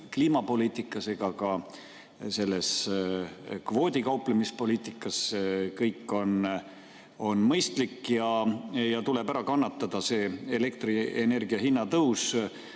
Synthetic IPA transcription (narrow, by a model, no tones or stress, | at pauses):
kliːmɑpo̞liːt̪ˑikːˑɑse̞ɡ̥ɑkɑ | se̞lːe̞s | kvo̞ːd̪̥ʲikɑuplemispo̞lʲiːt̪ˑikːˑɑskɤjkːˑo̞n | o̞nmɤjst̪likːjɑjɑt̪ule̞bæɾɑkɑnːɑt̪ˑːɑd̪̥ɑse̞ːele̞k̚t̪riene̞rɡiɑɦinːɑt̪ɤws